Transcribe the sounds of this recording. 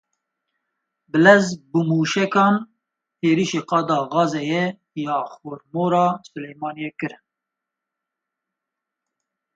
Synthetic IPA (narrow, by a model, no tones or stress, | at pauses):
bɨlɛzbumuːʃɛkɑːn | heːɾiːʃeːqɑːd̪ɑːɣɑːzɛjɛ | jɑːxoɾmoːɾɑːsʊlɛjmɑːnijɛkɨɾɨn